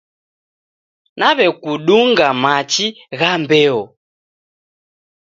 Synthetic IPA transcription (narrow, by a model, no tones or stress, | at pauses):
naβɛkuɗuŋɡamat͡ʃi | ɣambɛɔ